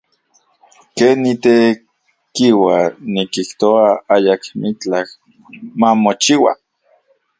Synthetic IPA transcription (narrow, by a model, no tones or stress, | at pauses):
keːnːit̪e | kiwanikiht̪oaajakmit͡ɬak | mamot͡ʃiwa̰